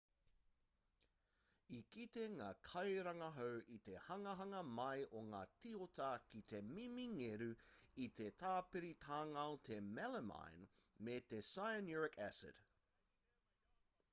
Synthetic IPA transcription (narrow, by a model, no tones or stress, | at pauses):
ikit̪eŋaːkʰɐjɾɐŋɐɦowʔit̪ehɐŋɐɦɐŋɐmɐjʔoŋaːtiotɐkit̪emimiŋeɾʉit̪etʰaːpeɾit̪ʰaːŋɐot̪ʰemɛləma̰jnmet̪esajəniɹɪkæsɪ̰d̥